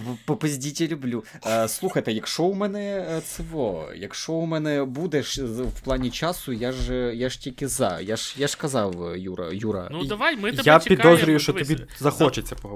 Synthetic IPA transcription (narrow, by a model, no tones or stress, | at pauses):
pɔpɐzʲdʲitʲɐlʲʊblʲu | slˠuxɐjt̪ɛjɐkʃɔʊmɛnɛt̪sɪʋɔ̰jɐ̰kʃɔʊmɛnɛbud̪ɛʃwplˠɑnʲit͡ʃɑsʊjaʒjaʒ̥tʲilʲkɪzɑ̰jaʒ̥jaʃkɐzɑwjuɾɐ̰juɾɐ̰ | jappʲid̪ɔzɾʲʊjʊʃt͡ʃɔt̪ɔi | zɐxɔt͡ʃet͡sʲːɐpɔɦ